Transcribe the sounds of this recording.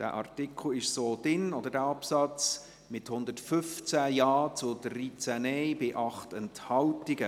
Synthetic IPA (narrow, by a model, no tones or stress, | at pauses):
d̥æ̰ːʔɑ̰rtɪkʰl̩ɪʃsoːd̥ɪnɔd̪ədæːɑpsɑt͡s | mɪthʊnd̪ətfʏft͡sæjɑːt͡sʊdrit͡sænɛjbɪʔɑχtɛnthɑltɪɡə